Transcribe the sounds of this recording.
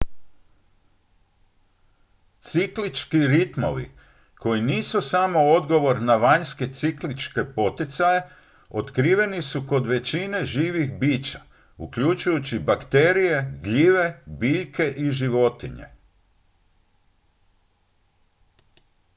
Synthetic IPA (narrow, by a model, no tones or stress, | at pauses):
t̪siklit͡ʃkiɾit̪mo̞̰ʋḭ | kʰo̞jiniːsusamo̞o̞d̪ɡo̞ʋo̞ɾnaʋaɲske̞t̪siklit͡ʃke̞po̞t̪it̪saje̞ | ot̪kɾiːʋe̞nisuko̞d̪ʋe̞t͡ɕine̞ʒiːʋixbiːt͡ʃa | ṵkʎut͡ʃujut͡ɕibakt̪e̞ːɾije̞ɡʎiʋe̞biʎke̞ʔiʒiʋo̞t̪iɲḛ